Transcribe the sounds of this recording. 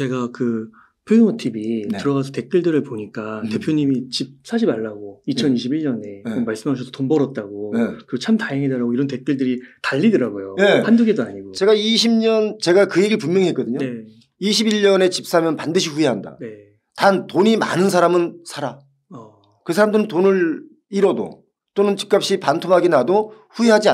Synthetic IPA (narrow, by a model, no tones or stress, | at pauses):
t͡ɕe̞ɡakɯ | pʰjoŋʌtʰibittɯɾʌɣasʰʌte̞k̚k͈iɭdɯɾɯɭpoɲik͈ate̞pʰjoɲimit͡ɕip̚s͈aɕ̬ʰiaɭːaɡoit͡ɕʰʌniɕʰibiɭɲʌne̞ʌnmaɭs͈ɯmɦaɕʰʌsʰʌtonbʌɾʌt̚t͈aɡokɯɡet͡ɕʰamtaɦeŋɦedɯɾaɡoiɾʌnte̞k͈iɭdɯɾitaʎːidɯɾaɡojojehanduɡedoaɲiɡot͡ɕe̞ɡaiɕʰimɲʌnt͡ɕe̞ɡakɯjeɡiɭpummjʌŋiɦe̞t̚k͈ʌdɯɲoe | iɕʰibiʎɲʌne̞t͡ɕip̚s͈amjʌnpandɯɕʰiɸueɦanda̰ne | tantoɲima̰nɯns̬ʰaɾamɯnsʰaɾa | ʌ | kɯsʰaɾamdɯɾɯntonɯɾ | iɾʌdo̰ | t͈onɯnt͡ɕi̥k͈̚ap̚ɕ͈ipantʰomɦaɡenadoɸueɦad͡ʑia